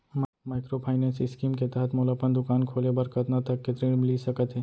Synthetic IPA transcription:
m | maːɪkɾopʰaːɪnɛ̃ːnsiɪskiːmket̪ɛɦət̪ʰmoːlapənd̪ʊkaːnkʰoːlebɐɾkət̪nat̪ɐkːet̪ɾiːɽmliːsɐkət̪ɦɛː

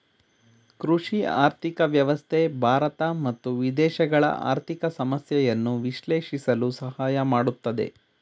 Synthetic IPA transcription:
kɾuʂia̰ːɾt̪ʰikɐʋjɐʋɐst̪ʰebʱaːɾɐt̪ɐmɐt̪ːuʋid̪ɛːʃɐɡɐɭɐ̰ʔa̰ːɾt̪ʰikɐsɐmɐsjɐjɐnːuʋiʃleːʂisɐlusɐhaːjɐmaːɽut̪ːɐd̪ḛ

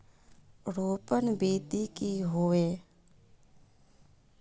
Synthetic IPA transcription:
ɾoːpənbiːt̪ikiɦoːeː

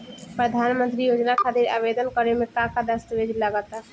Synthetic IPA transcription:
pɾəd̪ʱanmənt̪ɾijod͡ʒnakʰat̪iɾa̰bed̪ənkəɾemẽkãkad̪əst̪əbed͡ʒlaɡət̪a

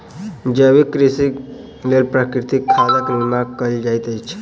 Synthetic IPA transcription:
d͡ʒəʋikɾisi | lelpɾakɾit̪ikʰːaləklimakəld͡ʒajt̪əjt͡ʃʰ

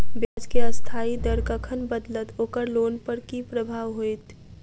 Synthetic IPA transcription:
bjaːd͡ʒkeəst̪ʰaːid̪əɾkəkʰənbəd̪lət̪oːkəɾloːnpəɾkipɾəbʱaːʋɦoet̪

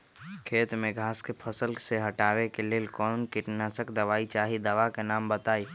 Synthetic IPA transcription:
kʰeːt̪mẽɡʱaːskepʰəsəlseɦɐʈaːʋekeleːlkɔːnkɪʈnasəkd̪ɐʋaːit͡ʃaːɦid̪əʋakenaːmbət̪aːiː

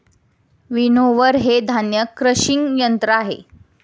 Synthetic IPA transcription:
ʋinoʋəɾɦed̪ʱanjəkɾəɕiŋɡjənt̪ɾəaɦḛ

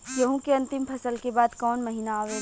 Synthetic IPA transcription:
jɐɦũkeɐ̃nt̪ɪmpʰɐsəlkebaːd̪kɔːnmɐɦiːnaaːʋe

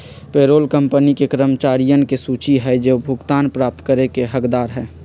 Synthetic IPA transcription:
peːɾoːlkəmpənikekɾəmt͡ʃaːɾijənkesuːt͡ʃiɦɛd͡ʒebʱʊɡt̪aːnpɾaːp̚t̪kəɾekeɦəkd̪aːɾɦɛː

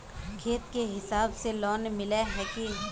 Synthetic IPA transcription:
kʰeːt̪keɦɪsaːbselɔːnmɪleɦɛːki

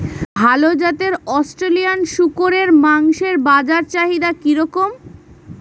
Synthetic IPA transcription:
bʱalod͡ʑat̪eɾɔsʈɾelijanʃukoɾeɾmaŋʃeɾbad͡ʑaɾt͡ɕaɦid̪akiɾɔkom

